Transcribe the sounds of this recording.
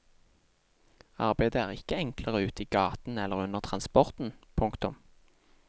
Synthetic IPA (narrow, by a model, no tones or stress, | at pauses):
ɑ̰ʁbæɪd̪əæːʁɪkəɛŋkləʁəʉːt̪iːɡɑːt̪n̩ɛlːəʁʉnəʁt̪ʰʁɑnspɔʁt̪n̩pʰʊŋkt̪ʊm